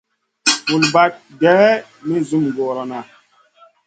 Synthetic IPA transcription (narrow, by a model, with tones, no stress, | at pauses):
mu˨lba˦t̚dɛː˨˦ | mi˦zu˦mɡɔ˨ɾɔ˨na˨